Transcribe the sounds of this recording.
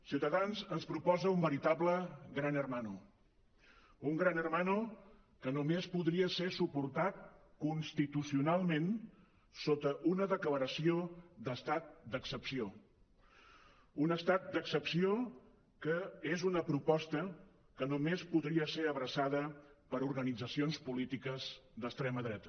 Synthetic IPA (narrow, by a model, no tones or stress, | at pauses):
siwt̪əðanzənspɾupɔzəumbəɾit̪abləɡɾanərmanu | uŋɡɾanərmanu | kənomespuðɾiəseɾsupuɾt̪at̪̚kunst̪it̪usiunalˠmẽn | sot̪əʔunəðəkləɾəsiod̪əst̪at̪̚d̪əksəpsio | unəst̪at̪̚d̪əksəpsio | kəezunəpɾupɔst̪ə | kənumespuðɾiəseɾəβɾəsaðəpəɾuɾɣənid͡zəsionspulit̪ikəzd̪əst̪ɾɛməðɾɛt̪ə